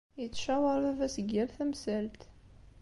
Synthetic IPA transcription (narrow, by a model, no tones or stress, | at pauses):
jət͡sːʃæwɑɾˤævæsəɡːælθæmsælt̪